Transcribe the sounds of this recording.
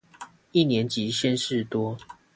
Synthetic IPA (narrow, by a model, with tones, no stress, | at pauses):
i˥˨njɛ˨˦nt͡ɕi˨˦ɕjɛ˥˦nʂɻ̩˥˩t̪wɔ˥